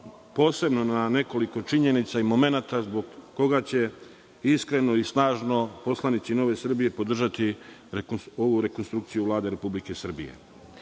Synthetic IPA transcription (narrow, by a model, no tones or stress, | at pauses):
po̞ːse̞bno̞nane̞ko̞liko̞t͡ʃiɲe̞nit̪saimo̞me̞nat̪azboɡːo̞ɡat͡ɕe̞ | iskɾe̞no̞isnaːʒno̞po̞slˠanit̪sino̞ʋe̞sr̩bije̞po̞d̪r̩ʒat̪i | o̞ʋuɾe̞ko̞nst̪ɾukt̪sijuʋlˠaːd̪e̞ɾe̞publike̞sr̩bḭjḛ